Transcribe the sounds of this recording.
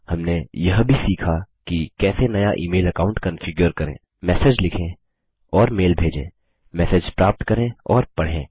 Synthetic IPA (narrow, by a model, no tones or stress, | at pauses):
hɐmnejɐɦbʱisiːkʰakikɛːsenɐjaʔiːmeːlɐkaːʊɳʈkɐ̃nfɪɡjəɾkɐɾḛ̃ː | mɛːsed͡ʒlɪkʰẽː | ɔːɾmeːlbʱeːd͡ʒḛ̃ː | mɛːsed͡ʒpɾaːp̚t̪kɐɾẽɔːɾpɐɽ̤ḛ̃ː